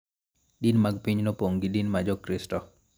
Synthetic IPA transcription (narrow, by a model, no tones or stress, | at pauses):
dinmaɡ̚piɲnɔpoŋɡidinmad͡ʒɔkɾistɔ